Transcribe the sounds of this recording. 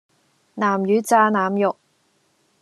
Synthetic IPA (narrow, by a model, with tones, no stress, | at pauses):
naː˨˩mjyː˨˥t͡saː˧naː˨mjʊ˨k̚